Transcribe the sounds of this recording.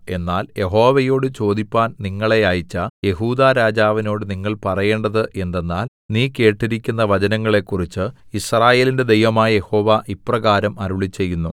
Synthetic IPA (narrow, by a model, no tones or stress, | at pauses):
e̞nːaːlje̞ɦo̞ːʋɐjo̞ːɽɨt͡ɕo̞ːd̪ipʲːaːnniŋːɐɭe̞aːjit͡ɕːɐje̞ɦuːd̪aːɾaːd͡ʑaːʋino̞ːɽɨniŋːɐɭpɐrɐje̞ːɳɖɐðɨʔe̞nd̪e̞nːaːl | niːke̞ːʈːiɾikʲːunːɐʋɐd͡ʑɐnɐŋːɐɭe̞kːurit͡ɕːɨisraːje̞ːlinde̞d̪e̞jʋɐmaːjɐje̞ho̞ːʋaʔiprɐɣaːɾɐmɐɾuɭit͡ɕːe̞jːunːu